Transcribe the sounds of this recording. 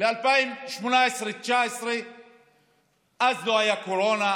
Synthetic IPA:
lealpaimʃmonaesɾet͡ʃaesɾe | ʔazlohajakoɾona

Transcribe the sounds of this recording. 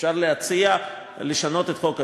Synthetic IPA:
ʃaʁlehat͡sia | le̞ʃano̞t̪e̞t̪χo̞ka

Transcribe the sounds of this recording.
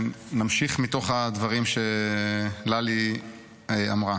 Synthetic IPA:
namʃiχmit̪o̞χad̪vaʁimʃe | lali | amʁa

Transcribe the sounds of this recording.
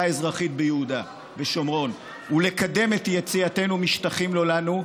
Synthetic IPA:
ae̞zʁaχit̚bejehuda | veʃo̞mʁo̞n | ule̞kad̪e̞me̞t̪jet͡siate̞numiʃtaχimlo̞lanu

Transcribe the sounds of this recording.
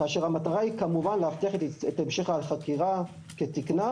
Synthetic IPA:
kaːʃeʁhamat̪aʁaikamuvanlehaft̪iaχet̪et̪aemʃeχaːlχakiʁa | ket̪ikna

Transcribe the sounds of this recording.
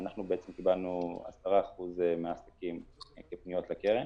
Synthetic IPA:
anaχnubeet͡semkibalnua̰st̪aʁaaχuzemeasakimkepnijo̞tlakeʁem

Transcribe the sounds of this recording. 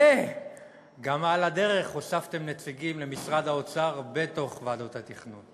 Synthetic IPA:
e | ɡamalad̪e̞ʁe̞χosaft̪e̞mnet͡siɡimle̞misʁad̪haot͡saʁbet̪o̞χvad̪ot̪hat̪iχnun

